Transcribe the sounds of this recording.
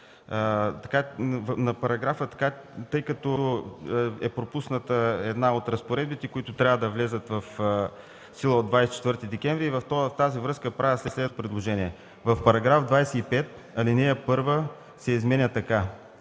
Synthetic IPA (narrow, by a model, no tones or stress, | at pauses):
t̪ɐkavnɐpɐɾɐɡɾafət̪ɐ̥ka | t̪ɤjkɐt̪ɔ | ɛpɾopusnət̪əɛd̪naot̪ɾɐspoɾɛd̪bit̪ɛkoit̪ʊt̪ɾʲavəd̪ɐvlɛzət̪vɐf | silˠəod̪vajsɛ̥t͡ʃɛ̥t̪vɤɾt̪id̪ɛkʲɛ̃mvɾiːvɐft̪ɔft̪azivɾɤskəpɾavʲjəslɛslɛd̪pɾɛd̪lˠoʒɛniɛ | vɐfpɐɾɐɡɾavd̪vajsɛipɛt̪̚ | ɐlinɛjəpɤɾvə | sɛizmɛnʲət̪ɐka